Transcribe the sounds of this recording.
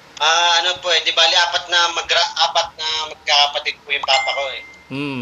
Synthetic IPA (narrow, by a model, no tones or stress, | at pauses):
ʔaʔɐnopoɛd̪ɪbaːlɪʔaːpɐt̪̚nɐmɐɡɾaʔʔaːpɐt̪̚nɐmɐɡ̚kakɐpɐt̪ɪd̪̚pʊjʊŋpaːpɐko̞ʔɛ